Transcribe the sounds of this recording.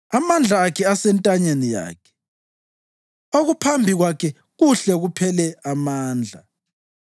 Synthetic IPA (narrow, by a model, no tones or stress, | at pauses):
amand͡ɮʱaːkʰɛasɛntʼaɲenija̰ːkʰɛ̥ | oɣupʰambʱiɣwakʰɛ | ɣuɬɛɣupʰɛlɛamaːnd͡ɮʱa̰